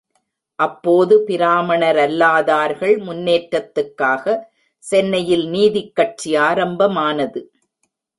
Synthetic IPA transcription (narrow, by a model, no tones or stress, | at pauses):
ʔɐpːoːðɯpɪɾaːmɐɳɐɾɐlːaːðaːɾɣɐɭmʊnːeːʈɾɐt̪ːɯkːaːɣɐ | sɛnːɐjɪlniːðɪkːɐʈ̚t͡ʃiaːɾɐmbɐmaːnɐðɯ